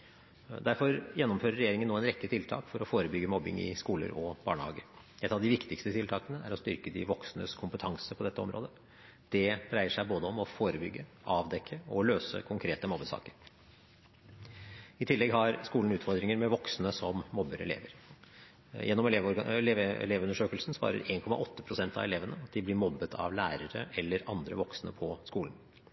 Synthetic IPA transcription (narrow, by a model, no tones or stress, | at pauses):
d̪æɾfɔɾjɛnːɔmføːɾəɾɛjeːɾɪŋənːoːɛnɾɛkːət̪ʰɪlt̪ʰɑ̰ːkfɔɾɔfoːɾəbʏɡːəmɔbːɪ̰ŋɪ̰skuːlə̰ɾɔb̥ɑ̰ːɳəhɑ̰ːɡəɾ | ɛt̪ːɑʋd̪ɪʋɪkt̪ɪkst̪ət̪ʰɪlt̪ʰɑːkənəæ̰ɾɔst̪ʏɾkəd̪ɪʋɔksnə̰skʰʊmpət̪ʰɑŋsəpʰɔd̪ɛt̪ːəɔmɾʔo̰ːd̪ə | d̪̥ɛd̪ɾæɪəʂæɪboːd̪əɔmɔfoːɾəbʏɡːəʔɑːʋd̪ɛkʰːəɔløːsə̰kʰʊŋkʰɾeːt̪əmɔbːəsɑ̰ːkəɾ | ɪt̪ʰɪlːɛɡhɑɾskuːln̩ʉːt̪fɔɾd̪ɾɪŋəɾmɛʋɔksnəsɔmːɔbːəɾɛ̰lḛːʋəɾ | jɛnːɔmʋleɛ̰leːʋʉnəʂøːkəlsn̩sʋɑ̰ːɾə̰ɾeːnkʰɔmɑ̰ʔɔt̪ːəpʰɾʊsɛnt̪ɑ̰ʋɛleːʋənəɑt̪̚d̪ɪblɪɾmɔbːət̪ʰɑ̰ʋlæːɾəɾəʔɛlːəɾɑnd̪ɾə̰ʋɔksnəpʰɔskuːln̩